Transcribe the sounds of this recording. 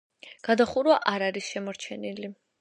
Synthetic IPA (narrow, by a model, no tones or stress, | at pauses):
ɡ̥ad̪aχuɾwaʔaɾaɾisʃɛmɔɾt͡ʃʰɛnili